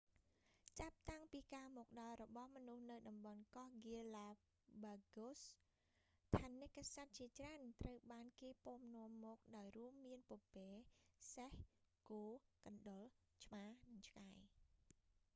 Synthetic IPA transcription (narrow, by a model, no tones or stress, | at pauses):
t͡ɕap̚t̪aŋpiːkaːmɔːk̚ɗɑlrɔɓɑhmɔnuhnɨwɗɑmɓɑnkɑhɡiəlaː | ɓaɡos | t̪ʰaːnɨkːasat̪̚t͡ɕiət͡ɕraənt̪rəwɓaːnkeːpoːmnŏəmːɔːk̚ɗaɔjruəmːiənpŏəpeːsehkoːkɑnɗol | t͡ɕʰmaːnɨŋt͡ɕʰkaj